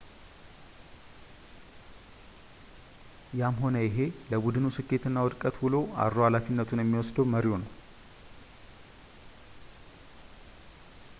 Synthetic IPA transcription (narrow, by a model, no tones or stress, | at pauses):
jamɦo̞nəjɪɦe̞ləbud̪ɨnusɨkʰːe̞t̪ɨnːawɔd̪kʼət̪bulo̞a̰ɾːohalafinːət̪ʰunjɛmːiwɔsd̪əməɾjonəw